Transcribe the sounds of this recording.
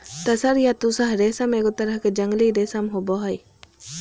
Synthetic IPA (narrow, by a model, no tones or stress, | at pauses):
t̪ɐsɐɾjat̪usaɦɾeːsɐmeːɡot̪ɐɾəɦked͡ʒɐŋɡliɾeːsɐmɦobɔɦɐj